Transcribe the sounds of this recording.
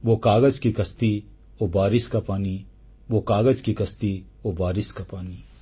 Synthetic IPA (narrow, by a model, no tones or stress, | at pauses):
ʋokaːɡəd͡ʒkikɐst̪i | obaːɾɪskapaːni | ʋokaːɡəd͡ʒkikɐst̪i | obaːɾɪskapaːni